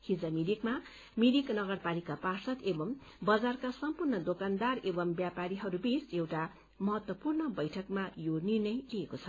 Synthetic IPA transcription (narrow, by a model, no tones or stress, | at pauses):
hid͡zʌmidikma | midiknʌɡʌrpalikaparsʌt̪ebʌm | bʌd͡zarkasʌmpurnʌd̪okand̪arebʌmbjapaɾiɦʌɾubisewʈa | mʌɦʌt̪wʌpurnʌbʌjʈʰʌkmajonirnʌjliekot͡sʰʌ̥